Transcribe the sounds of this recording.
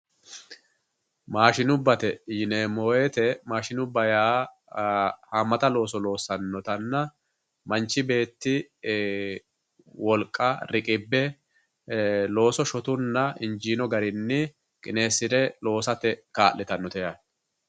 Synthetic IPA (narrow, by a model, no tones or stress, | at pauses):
maːʃɪnʊbːɐt̪ɛjɪneːmoːjet̪ɛmaːʃɪnʊbːɐjaː | haːmːɐt̪ɐlo̞ːsɔlo̞ːsːɐnːɔt̪ɐnːɐ | mɐnt͡ʃːɪbe̞ːt̪ːɪ | wɔlkʼːɐɾɪkʼɪbːɛ | lo̞ːsɔʃɔt̪ʊnːɐɪnd͡ʒiːnɔɡɐɾɪnːɪ | kʼɪne̞ːsːɪd̪ɛlo̞ːsɐt̪ɛkaːʔlːɪt̪ɐnːɔt̪ɛja